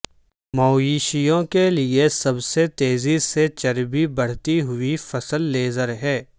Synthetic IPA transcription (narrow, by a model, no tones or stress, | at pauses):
mɔːjiːʃijõkeliesɐbset̪eːziset͡ʃɐɾbibɐɽ̤t̪iɦʊifɐsəlːeːzəɾɦɛː